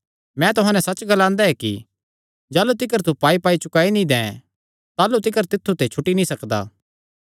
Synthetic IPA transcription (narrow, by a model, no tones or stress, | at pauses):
mɛ̃t̪ʊɦãːnɛsɐt͡ʃɡɐlãːnd̪aɛkḭ | d͡ʒaːlut̪̬ɪkəɾt̪upaːipaːit͡ʃʊkaːinĩd̪ɛ̃ | t̪aːlut̪ɪkəɾt̪ɪt̪ʰːut̪et͡ʃʰʊʈːinĩsɐkd̪a̰ː